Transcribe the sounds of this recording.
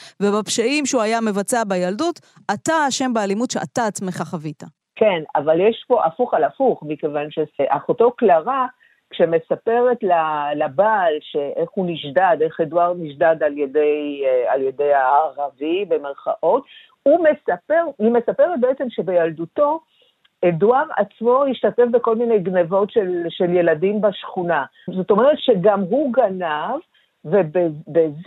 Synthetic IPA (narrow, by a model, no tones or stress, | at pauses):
vebapʃaimʃeuajame̞vat͡seabajaldut | ataaʃe̞mbeːlimutʃeʔa̰t̪aːt͡smeχaχavita | ke̞na̰valjeʃpo̞ʔafuχalafuχmike̞vanʃeseʔaχotoklaʁa | kʃemesape̞ʁe̞tlalabaːlʃeʔeχuniʃdade̞χeduaʁniʃdadaljede̞ja̰lje̞de̞jaaʁavibe̞meʁχa̰ʔo̞t | ume̞sapeʁimesape̞ʁet̚beet͡semʃe̞be̞jalduto̞ | eduaʁa̰t͡smo̞jiʃtate̞fbe̞ko̞lmine̞jɡnevo̞tʃelʃe̞lje̞ladimbaʃχuna | zo̞t̪o̞meʁ̞etʃe̞ɡamɦuɡanavː | ebebez